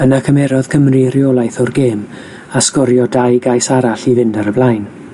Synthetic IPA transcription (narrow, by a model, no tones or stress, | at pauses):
ənakʰəmɛɾɔð̥kʰəmrirɪolˠajθɔrɡeːm | askɔɾjɔdajɡajsaɾaɬivɪndaɾəblˠajn